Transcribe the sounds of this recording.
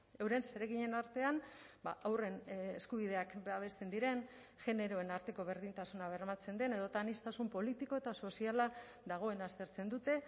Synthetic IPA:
e̞wɾe̞nse̞ɾe̞ɣiɲe̞naɾt̪e̞anbaʔawre̞neskuβ̞iðe̞akbaβe̞st̪e̞nd̪iɾe̞n | ʝe̞ne̞ɾo̞e̞naɾt̪e̞ko̞βe̞ɾðint̪asunaβ̞e̞rmat͡se̞nd̪e̞ne̞ð̞o̞t̪anist̪asumpo̞lit̪iko̞et̪aso̞siala | ðaɣ̞o̞e̞nast̪e̞ɾt͡se̞nd̪ut̪e̞

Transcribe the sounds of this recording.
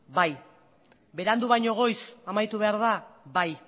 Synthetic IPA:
baj | be̞ɾand̪uβajɲo̞ɣ̞o̞jsamajt̪uβe̞aɾð̞abaj

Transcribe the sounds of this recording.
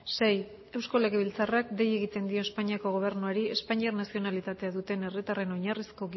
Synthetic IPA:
se̞j | e̞wsko̞le̞ɣe̞βilt͡sarakd̪e̞je̞ɣit̪e̞nd̪io̞espaɲiako̞ɣ̞o̞β̞e̞ɾnuaɾie̞spaɲiaɾnasio̞nalit̪at̪e̞aðut̪e̞ne̞rit̪are̞no̞ɲarisko̞ɣ

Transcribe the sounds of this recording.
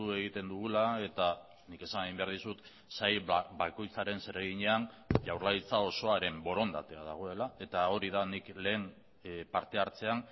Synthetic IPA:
ue̞ɣ̞it̪e̞nd̪uɣulae̞t̪a | nike̞sanaɣimbe̞aɾð̞isut̪ | sajbako̞jt͡saɾe̞nse̞ɾeɣiɲe̞anʝawɾlait͡sao̞so̞aɾe̞mbo̞ɾo̞nd̪at̪e̞að̞a̰ɣ̞o̞e̞lae̞t̪ao̞ɾiðanikle̞ːn | paɾt̪e̞aɾt͡se̞an

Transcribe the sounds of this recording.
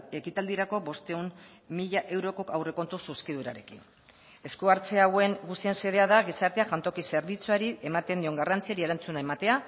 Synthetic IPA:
e̞kit̪ald̪iɾako̞βo̞st̪e̞um | miʎaʔe̞wɾo̞ko̞kawre̞ko̞nt̪ususkiðuɾa̰ɾe̞kin | e̞skuaɾt͡seawe̞ŋɡust̪ie̞nse̞ðe̞aðaɣisaɾt̪e̞axant̪o̞kise̞ɾβit͡suaɾie̞mat̪e̞nd̪io̞ŋɡarant͡siaɾie̞ɾant͡sunae̞mat̪e̞a

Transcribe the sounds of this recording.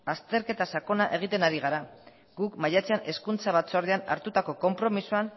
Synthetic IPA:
ast̪e̞ɾke̞t̪asako̞naʔe̞ɣ̞it̪e̞naɾiɣ̞aɾa | ɡukmaʎat͡seane̞skunt͡saβat͡soaɾðeana̰ɾt̪ut̪ako̞ko̞mpɾo̞misuan

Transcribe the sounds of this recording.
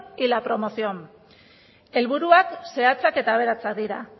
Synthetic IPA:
ilapɾo̞mo̞siom | e̞lβuɾuakse̞at͡sake̞t̪aːβ̞e̞ɾat͡sak̚d̪iɾa̰

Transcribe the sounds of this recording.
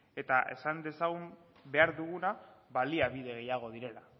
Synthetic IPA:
e̞t̪aʔe̞̰sand̪e̞saɣum | be̞aɾðuɣ̞unaβaliaβiðe̞ɣ̞e̞jaɣ̞o̞ð̞iɾe̞la

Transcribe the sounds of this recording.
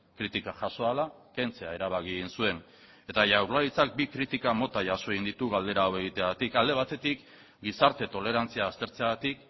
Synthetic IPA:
kɾit̪ikaʝaso̞ala | kent͡se̞ae̞ɾaβ̞aɣiɣinsue̞n | e̞t̪aʝawɾlaðit͡sak̚bikɾit̪ikamo̞t̪aʝaso̞eɣind̪it̪uɣald̪e̞ɾaːwe̞ɣ̞it̪eaat̪ikald̪e̞β̞at̪e̞t̪ik | ɡisaɾt̪e̞t̪o̞le̞ɾant͡siaːst̪e̞ɾt͡seaɣat̪ik

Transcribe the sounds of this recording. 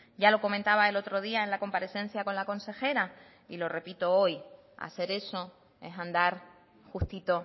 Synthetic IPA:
ɟ͡ʝalo̞ko̞mẽnt̪aβae̞lo̞t̪ɾo̞ð̞iae̞nlako̞mpaɾe̞θẽ̞n̟θjako̞nlako̞nse̞xe̞ɾa | ilo̞re̞pit̪o̞o̞j | a̰se̞ɾe̞so̞ | e̞ɦãnd̪aɾ | xuht̪it̪o̞

